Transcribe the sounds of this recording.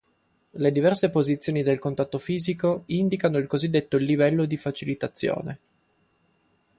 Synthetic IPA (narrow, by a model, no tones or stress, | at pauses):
led̪ivɛrsepozit̪sːjoːnid̪elkont̪at̪ːofiːzikoind̪ikanoilkozid̪ːet̪ːolivɛlːod̪ifat͡ʃilit̪at̪sːjo̰ːne